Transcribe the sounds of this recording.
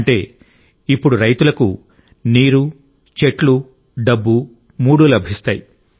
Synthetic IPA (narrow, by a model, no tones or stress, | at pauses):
ɳʈe̞ː | ipːuɽuɾɐjt̪ulɐku | niːɾu | t͡ʃe̞ʈlu | ɖɐbːu | muːɽulɐbʱist̪aːji